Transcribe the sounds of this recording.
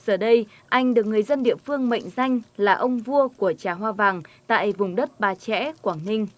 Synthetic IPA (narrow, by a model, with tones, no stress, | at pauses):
z̥əː˨˩ɗə˧j | ʔa˧jŋ̟ɗɨ˨˩ək̚ŋɨ˨˩əjzə˧nɗḭ˧˨əfɨ˧əŋmə̰˧˨jŋ̟za˧jŋ̟laː˨˩ʔə˧wŋ͡mvu˧əku˧˩ət͡ɕaː˨˩ɦwaː˧vaː˨˩ŋt̪a̰ː˧˨jvʊ˨˩ŋ͡mɗə˦˥t̚ɓaː˨˩t͡ɕɛ̰˧˥kwaː˧˩ŋnï˧ŋ̟